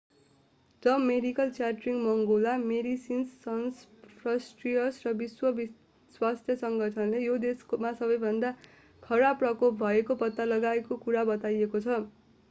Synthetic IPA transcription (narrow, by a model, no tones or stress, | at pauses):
d͡zʌmedikʌlt͡saʈriŋɡmʌŋɡolameɾisinsːʌnspʰrʌsʈrijʌsrʌbiswʌbi | swast̪ʰjʌsʌŋɡʌʈʰʌnlejod̪eskmasʌbʌjbʱʌnd̪a | kʰʌɾaprʌkop̚ʰbʱʌekopʌt̪ːalʌɡaekokuɾabʌt̪ajekot͡sʰʌ